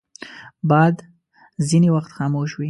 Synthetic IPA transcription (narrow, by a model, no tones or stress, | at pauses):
bɑd̪ | zinewaxt̪xɑmoʃwi